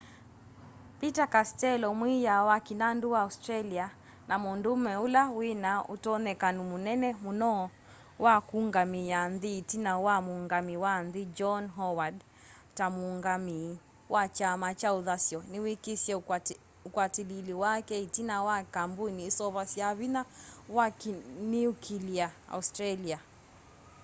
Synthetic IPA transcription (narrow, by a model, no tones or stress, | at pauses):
pitakastɛlɔmwijawakinanduwaustɾalia | namɔndumɛulawinautɔnɛkanumunɛnɛmunɔ | wʔakuŋɡamijanðiːtinawamuŋɡamiwanðid͡ʒɔnɦɔwad | tamuŋɡami | wʔat͡ʃamat͡ʃauðasjɔniwikisiɛ | ukwatililiwakɛitinawakambuiniːsɔβasiaβinawakniukʰiliaa̰ustɾalia